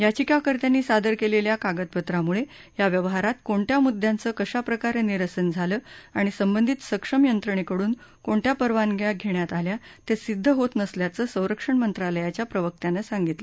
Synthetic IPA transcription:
jat͡ɕikakəɾt̪janːiːsad̪əɾkeleljakaɡət̪̚pət̪ɾamuɭe | jaʋjəʋɦaɾat̪koɳʈ̪jamud̪ʱjãnt͡səːkəɕapɾəkaɾeniɾəsənd͡zʱaləːaɽ̃isəmbənd̪ʱit̪səkʂəmjənt̪ɾəɳ̃ekəɽuːn | koɳʈ̪japəɾʋanɡʱjaɡʱeɳjat̪aljat̪esid̪ʱːəɦot̪nəsljat͡səːsə̃w̃ɾəkʂəɳmənt̪ɾaləjat͡ɕjapɾəʋək̚t̪janəsaŋɡit̪lə

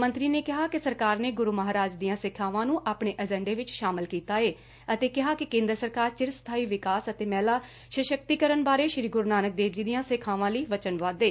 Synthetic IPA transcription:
mə̃nt̪ɾiːneːkɪɦaːkɪsəɾkaːɾneːɡʊɾuːməɦaːɾaːd͡ʒd̪ijãːsɪkʰaːʋãːnũːʔaːpɳeːʔəd͡ʒɛ̃ːɳɖeːʋɪt͡ʃʃaːmɪlkiːt̪aːeː | ət̪eːkɪɦaːkɪkẽːnd̪ɾəsəɾkaːɾt͡ʃɪɾst̪ʰaːiːʋɪkaːsət̪eːmɛːlaː | ʃəʃək̚t̪iːkəɾənbaːɾeːʃɾiːɡʊɾnaːnək̚d̪eːʋd͡ʒiːd̪ijãːsɪkʰaːʋãːləiːʋət͡ʃənʋaːd̪eː

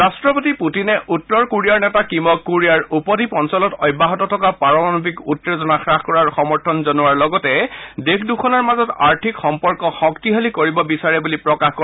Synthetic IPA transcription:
ɹastɹɔpotiputinɛʔʔutːɔɹkuɹiaɹnɛtakimɔkːuɹijaɹupɔdipɔnsɔlɔtɔjbaɦɔtɔtʰɔkapaɹɔmanbikutːezɔnaxɹaxkɔɹaɹxɔmɔɹtʰɔnzɔnuwaɹlɔɡɔtɛdekʰdukʰɔnaɹmazɔtaɹtʰikxɔmpɔɹkɔxɔktiɦalikoɹibɔbisaɹɛbulipɹɔkaxkɔ

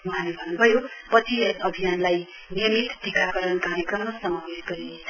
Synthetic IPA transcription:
mʌɦãlebʱʌnːubʱʌjopʌt͡sʰienʌbʱijanlaj | nijʌmit̪dikakʌɾʌnkaɾjekrʌmːasʌmabesɡʌɾinet͡sʰʌ

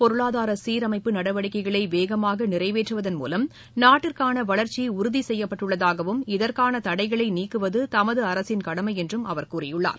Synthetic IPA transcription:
pɔɾɯɭaːðaːɾɐsiːɾɐmɐɪpːɯnɐɽɐʋɐɽɪkːɐɪɣɐɭɐɪʋeːɣɐmaːɣɐnɪrɐɪʋeːʈrɯʋɐðɐnmṵːlɐm | naːʈːɪrkaːnɐʋɐɭɐɾt͡ʃːiʊɾʊðisɛjːɐpːɐʈːɯɭːɐðaːɣɐʋɯmɪðɐɾkaːnɐt̪ɐɽɐɪɣɐɭɐɪniːkːɯʋɐðɯt̪ɐmɐðɯɐɾɐsɪnkɐɽɐmɐɪɛndrɯmɐʋɐɾkuːrɪjɯɭːa̰ːɾ

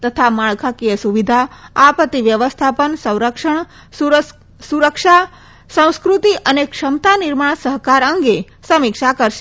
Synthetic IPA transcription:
t̪ət̪ʰamaɭkʰakijəsuʋid̪ʱaapət̪ːiʋjəʋəst̪ʰapəɳsə̃w̃ɾəkʂəɳ | suɾəkʃa | sə̃w̃skɾut̪iʔənekʂəmt̪aniɾmaɳsəɦkaɾəŋɡe | səmikʃakəɾʃe

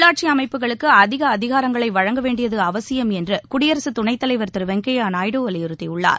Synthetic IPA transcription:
ɭaːʈ̚t͡ʃiɐmɐɪpːɯɣɐɭɯkːɯɐðɪɣɐːðɪɣaːɾɐŋɡɐɭɐɪʋɐɻɐŋɡɐʋeːɳɖɪjɐðɯɐʋɐsɪjɐmɛndrɯkʊɽɪjɐɾɐsɯt̪ʊɳɐɪt̪ːɐlɐɪʋɐɾt̪ɪɾɯʋɛŋkeːjaːnaːjɽoːʋɐlɪjɪɾɯt̪ːɪʊɭːa̰ːɾ

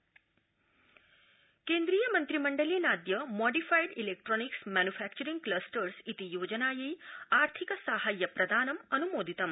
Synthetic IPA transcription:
keːnd̪ɾijəmɐnt̪ɾimɐɳɖəlinaːd̪jɐmɔːɖifajɖilek̚ʈɾɔːniksmænufʰæk̚t͡ʃɐɾiŋɡklɐsʈəɾsit̪ijoːd͡ʒənaːjɐjaːɾt̪ʰikəsaɦaːjːɐpɾɐd̪ʱaːnɐmɐnumoːd̪ʱit̪ɐm

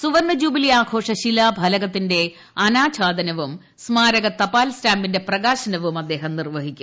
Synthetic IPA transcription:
suʋɐrnɐd͡ʑuːbiliaːkʰo̞ːʂɐɕilaːbʱɐlɐɣɐt̪ːinde̞ | ɐnaːt͡ɕʰaːd̪ɐnɐʋum | smaːɾɐɣɐt̪ɐpaːlstaːmbinde̞prɐɣaːɕɐnɐʋumɐd̪ːe̞ːɦɐmnirʋɐɦikʲːum

